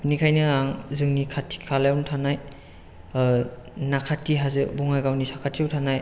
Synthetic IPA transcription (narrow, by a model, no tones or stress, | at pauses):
bʰnikʰajnɯaŋzɯŋnikʰatʰi̥kʰalawntʰanaj | nakʰatʰːiɦazɯbɔŋajɡawnisakʰatʰiawtʰanaj